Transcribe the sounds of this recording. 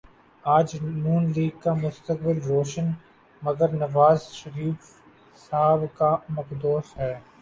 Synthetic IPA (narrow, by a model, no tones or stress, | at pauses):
aːd͡ʒnuːnliːɡ̚kamʊst̪ək̚bɪlɾoːʃən | mɐɡəɾnɐʋaːzʃɐɾiːf | saːbkamɐkd̪oːsɦɛː